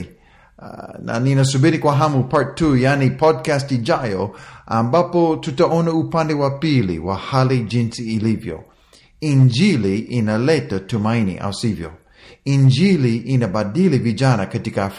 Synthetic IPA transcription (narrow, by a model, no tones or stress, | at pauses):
na̰ninɐsubilikwaɦamupaɹtʰːujanipʰɔd̚kastid͡ʒajoa̰mbapotutɐɔnɐupãndɛwapilḭwahalid͡ʒĩnsiːlivjo̰ | ĩnd͡ʒiliʔinɐlɛtɐtumanḭʔa̰wsivjo̰ | ĩnd͡ʒiliʔinɐbadilivid͡ʒanɐkɐtikɐ